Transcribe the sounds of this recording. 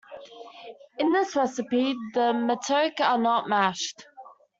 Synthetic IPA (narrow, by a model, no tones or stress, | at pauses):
ɪ̃nðɪsɹɛsəpiðəmətʰəʊkənəʔmaʃt